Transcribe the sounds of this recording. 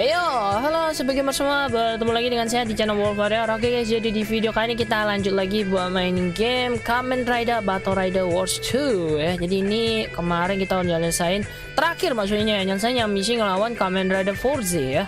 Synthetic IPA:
jaɦalosəbaɡɛmpərsəmuabət̪əmulaɡidəŋans̬ajadit͡ʃanawɔlfaɾjaɾaɡakasd͡ʒadidifideokajinik̬it̪alaɲd͡ʒʊt̪̚laɡibuat̪̚maɪnɡɛmkamɛnt̪rajdabat̪ɔɾajdawɔrst̪ʰujad͡ʒadiːnikəmaɾɪnkit̪aund͡ʒalɲasaɪn | t̪əɾakɪrmaksʊt̪ɲaɲajaɲals̬aɪnjaŋmis̬ɪŋəlawankamɛnrajdafɔrsɪja

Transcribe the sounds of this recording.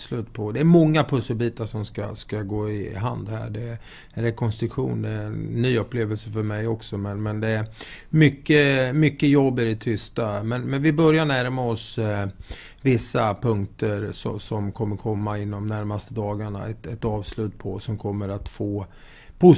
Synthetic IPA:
slʉ̟ːt̪pʰɔd̪ɛæɾmɔŋːapʰɵsːəlbiːt̪aʂɔmska̰skaɡoːɪɦand̪hæ̰ːɖɛæɾ | ɛnɾɛkʰɔnst̪ɾɵkɧṵːnd̪ɛɛnːyːɵpːleːvəlsəfœɾmɛjɔksɔmɛnmɛnd̪ɛæɾ | mʏkːəmʏkːəjɔbːædɛt̪ʰʏst̪amɛnmɛnvɪbœɾjaɳæɾmaɔs | vɪsːapʰɵŋkt̪əɾsɔ̰sɔmkʰɔmːəɾkʰɔmːaɪnːɔmnæɾmast̪əd̪ɑːɡaɳa̰ɛ̰t̪ɛt̪ɑːvslʉ̟ːt̪pʰɔsɔmkʰɔmːəɾat̪foː | pʰʊ

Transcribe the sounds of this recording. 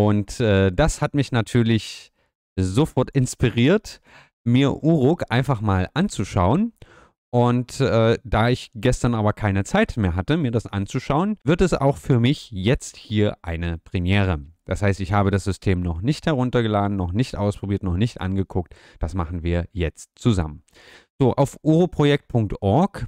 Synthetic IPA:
ʔʊntʔɛːd̥ashatmɪçnatʰyːɐlɪç | zofɔɐtɪnspiʁiːɐt | miːɐʔuːʁʊkʔaɪnfaχmaːlʔant͡suʃaʊən | ʔʊntɛːd̥aːɪçɡ̥ɛstɐnʔaːbɐkʰaɪnət͡saɪtmeːɐɦatəmiːɐdasʔa̰nt͡suʃaʊənvɪɐtɛsa̰ʊxfyːɐmɪçjɛt͡sthiːɐʔaɪnəpʁ̥ɛmjɛːʁ̞əd̥ashaɪstɪçhaːbədasz̥ʏstʰeːmnɔχnɪçthɛʁ̞ʊntɐɡəlaːdn̩nɔχnɪçtʔaʊspʁ̥obiːɐtnɔχnɪçtʔa̰nɡəkʰʊk̚t | d̥asmaχn̩viːɐjɛt͡stt͡suza̰mən | z̥oːʔaʊfʔuːʁopʁ̥ojɛk̚t̚pʰʊŋk̚tʔɔɐk

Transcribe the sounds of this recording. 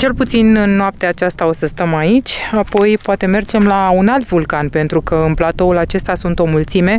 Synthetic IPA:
t͡ʃe̞lput̪sinɨnːoap̚t̪eat͡ʃast̪ao̞səst̪əmait͡ʃʲapo̞jpoat̪e̞me̞rd͡ʒe̞mlaunalt̪vulkanpe̞nt̪ɾukəɨnplat̪o̞ulat͡ʃe̞st̪asunt̪o̞mult̪sime̞

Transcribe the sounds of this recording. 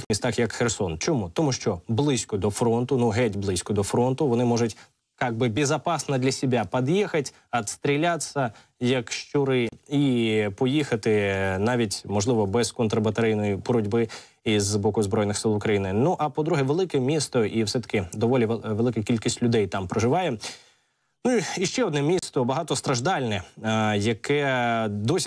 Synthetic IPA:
t̪xmʲist̪ɑxjɐkxersɔnt͡ʃɔmut̪ɔmuʃt͡ʃɔblˠɪsʲkɔd̪ɔfɾɔnt̪ʊnʊɦɛdʲblˠɪsʲkɔd̪ɔfɾɔnt̪ʊʋɔnɪmɔʒʊtʲ | kɑɡ̚bɪbʲezɐpɑsnɐd̪lʲɐsʲɪbʲapɐd̪jixɐtʲ | ɐt̪st̪ɾʲilʲasʲɐ | jɐkʃt͡ʃʊɾɪipɔjixɐt̪ɪnɑʋʲitʲmɔʒlˠɪʋɔbɛz̥kɔnt̪ɾɐbɐt̪ɐɾʲɪjnɔjibɔɾʊdʲbɪ | izbɔkʊzbɾɔjnɪxsɪlˠʊkɾɐjinɪnuʔɐpɔd̪ɾuɦɛʋelˠɪkɛmʲist̪ɔʔiwsɛt̪ɐ̥kɪd̪ɔʋɔlʲiʋʋelˠɪkɐkʲilʲkʲisʲtʲlʲʊd̪ɛjt̪ɑmpɾɐʒɪʋɑjɛ | nuiiʃt͡ʃɛɔd̪nɛmʲist̪ɔbɐɦɑt̪ɔst̪ɾɐʒd̪ɑlʲnɛjɐkʰɛd̪ɔsʲ

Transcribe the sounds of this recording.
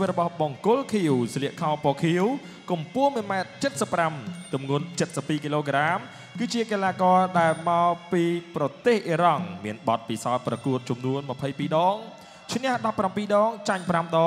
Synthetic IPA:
iʋɨt̪̚rɔɓɑhɓɑŋkʊlkʰiəwsliəʔkʰaɔpɔːkʰiəw | kumpʊəhmiəmaɛt̪̚t͡ɕət̪̚səpːramt̪umŋuənt͡ɕət̪̚səpːiːkiloːkraːm | kɨːt͡ɕiəkelaːkɑːɗaɛlmaɔpiːprɑt̪eːhʔiəɾɑŋmiənɓɑt̪̚pisaɔt̪̚prɑkuət̪̚t͡ɕumnuənməpʰəjpiːɗɑːŋ | t͡ɕʰnɛ̆əhɗɑpːrampiːɗɑːŋt͡ɕaɲpramɗɑː

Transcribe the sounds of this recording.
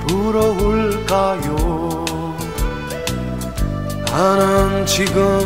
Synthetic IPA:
puɾʌboɭkajo | anɯnt͡ɕiɡɯ

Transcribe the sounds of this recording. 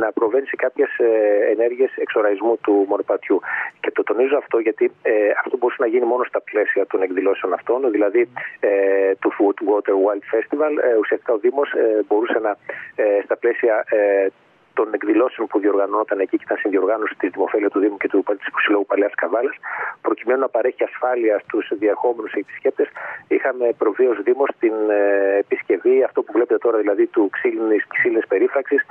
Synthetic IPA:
nɐpɾo̞ve̞nise̞kɐpçe̞seene̞ɾʝie̞se̞kso̞ɾɐɣizmut̪umo̞nopɐt̪çuce̞t̪o̞t̪o̞nizoɐft̪o̞ʝɐt̪ieɐft̪o̞bo̞ɾusɐnɐʝinimo̞no̞st̪ɐple̞siɐt̪o̞ne̞kðilo̞se̞onɐft̪o̞nðilɐðiet̪ufut̪wo̞t̪e̞ɾwɐld̪fe̞st̪ivɐlusiɐst̪ikɐo̞ðimo̞sbo̞ɾuse̞nɐst̪ɐple̞siɐ | t̪o̞ne̞kðilo̞seo̞npuðio̞ɾɣɐno̞t̪ɐne̞ciceit̪ɐnsinðio̞ɾɣɐno̞si̥t̪izt̪imo̞fe̞liɐst̪uðimuce̞t̪upt̪i̥spo̥silo̞ɣupɐleɐskɐɱvɐlɐspɾo̞cimenonɐpɐɾe̞çiɐsfɐliɐst̪usðiɐɾxo̞me̞nuseːpi̥sce̞p̚t̪e̞sixɐme̞pɾo̞vio̞zðimo̞st̪inepisce̞viɐft̪o̞puvle̞pet̪e̞t̪o̞ɾɐðilɐðit̪uksilinisksilinispe̞ɾifɾɐksis

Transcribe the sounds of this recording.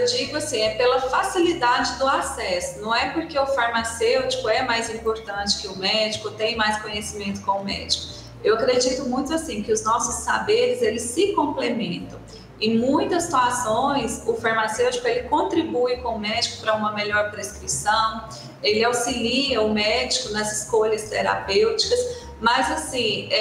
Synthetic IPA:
ewd͡ʒiɡʊasĩɛpelɐfasilid̪ad͡ʒɪd̪ʊasɛsʊnɐ̃w̃ɛpʊɾkeʊfaɾmasewt͡ʃi̥kʊɛmajzĩpoɾt̪ɐ̃t͡ʃɪ̥kɪʊmɛd͡ʒikʊt̪ẽj̃majskõɲesimẽnt̪ʊ̥kõʊmɛ̰d͡ʒikʊ̥ | ewakɾed͡ʒit̪ʊmũj̃t̪ʊasĩkɪʊznɔsʊsːabeɾɪzelɪsːɪkõmplemẽnt̪ɐ̃w̃ | ẽj̃mũj̃t̪ɐsi̥t̪uasõj̃sʊfaɾmasewt͡ʃikʊelɪkõt̪ɾibuɪkõʊmɛd͡ʒikʊ̥pɾɐũmɐmeʎɔɾpɾeskɾisɐ̃w̃ | elɪawsiliɐʊmɛd͡ʒikʊnɐzɪskoʎɐst̪eɾa̰pewt͡ʃi̥kɐs | mɐzasĩɛ

